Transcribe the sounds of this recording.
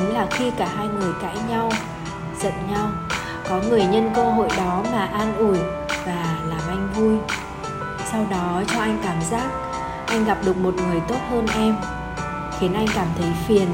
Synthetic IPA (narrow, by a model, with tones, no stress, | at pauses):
laː˨˩xi˧kaː˧˩ɦaː˧jŋɨ˨˩əjka̰ː˧˥jɲa˧w | z̥ə̰˧˨nɲa˧w | kɔ˨˦ŋɨ˨˩əjɲə˧nkəː˧ɦo̰˧˨jɗɔ˨˦maː˨˩ʔaː˧nʔu˧˩j | vaː˨˩laː˨˩mʔa˧jŋ̟vu˧j | sa˧wɗɔ˨˦t͡ɕɔ˧ʔa˧jŋ̟kaː˧˩mzaː˦˥k̚ | ʔa˧jŋ̟ɣa˨˩p̚ɗɨ˨˩ək̚mo˨˩t̚ŋɨ˨˩əjt̪o˦˥t̚həː˧nʔɛ˧m | xi˨˦nʔa˧jŋ̟kaː˧˩mt̪ʰə˨˦jfi˨˩ən